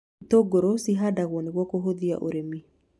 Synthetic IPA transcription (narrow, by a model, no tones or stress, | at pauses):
toɡoɾosiɦadaɣwɔneɣwɔkoɦoðia̰ʔoɾemi